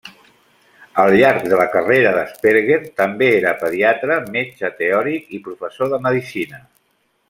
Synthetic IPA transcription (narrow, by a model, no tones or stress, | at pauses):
əlˠʎaɾk̚d̪ələkəreɾəðəspeɾɣeɾt̪əmbeeɾəpəðiat̪ɾəmet͡ʃət̪eɔɾikipɾufəsoðəməðisinə